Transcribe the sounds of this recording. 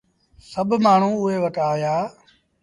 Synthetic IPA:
səbʱmaːɳ̤ũːʊɦeːʋəʈaːjaː

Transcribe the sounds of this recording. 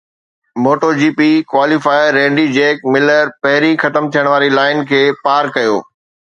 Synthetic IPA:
moːʈoːd͡ʑiːpikwaːlifaːɪɾẽːɖid͡ʑeːk̚mɪləɾpɐɦɪɾixɐt̪əmt̪ʰijəɽ̃ʋaːɾilaːɪnkʰeːpaːɾkɐjo̰ː

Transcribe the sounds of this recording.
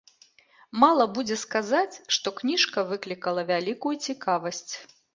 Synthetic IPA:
malˠɐbud͡zʲɛskazat͡sʲʂt̪ɔknʲiʂkɐvɨklʲikɐlˠɐvʲalʲikujut͡sʲikavɐsʲt͡sʲ

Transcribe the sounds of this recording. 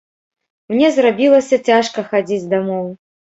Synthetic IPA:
mnʲɛzrabʲilˠɐsʲɐt͡sʲaʂkɐxad͡zʲid͡zʲd̪amɔw

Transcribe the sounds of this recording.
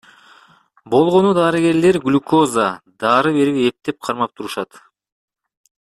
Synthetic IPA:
bo̞lˠʁo̞nud̪ɑɾɯɡe̞ɾle̞ɾɡlʲuko̞zad̪ɑːɾɯβe̞ɾipe̞k̚t̪e̞p̚qʰɑɾmɑp̚t̪ʰuɾuʃɑt̪

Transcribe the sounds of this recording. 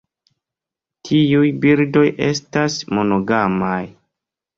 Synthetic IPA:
tʰiujbiɾdo̞jʔe̞̰stasmo̞no̞ɡamaj

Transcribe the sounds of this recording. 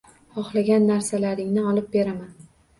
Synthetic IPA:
χɒχlˠaɡʲanːaɾsalaɾɪŋnɪɒlɪp̚be̞ɾaman

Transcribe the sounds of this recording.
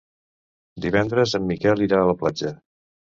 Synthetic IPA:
d̪iβ̞ɛnd̪ɾəzəmːikɛlˠiɾaələplad͡ʒə

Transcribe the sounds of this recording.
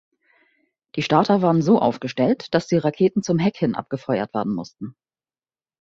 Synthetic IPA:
d̥iːʃtaɐtʰɐvaːʁənzoːʔa̰ʊfɡ̥əʃtɛltd̥asd̥iːʁakʰeːtn̩t͡sʊmɦɛkhɪnʔa̰p̚ɡ̥əfɔʏɐ̰tv̥eːɐdn̩mʊ̰stn̩

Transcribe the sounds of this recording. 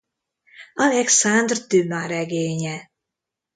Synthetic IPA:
ɒlɛksand̪rd̪ymaɾɛɡeːɲɛ

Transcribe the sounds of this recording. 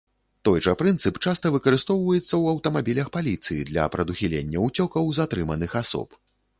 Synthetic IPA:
t̪ɔjʐɐpɾɨnt̪sɨpt͡ʂast̪ɐvɨkɐɾɨst̪ɔwvɐjɛt̪sːɐwɐwt̪ɐmabʲilʲɐxpalʲit̪sɨjid̪lʲɐ̰pɾɐd̪uxʲilʲḛnʲːɐut͡sʲɔkɐwzat̪ɾɨmɐnɨxasɔ̰p

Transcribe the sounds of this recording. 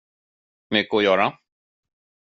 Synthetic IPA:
mʏkːɔjœːɾa

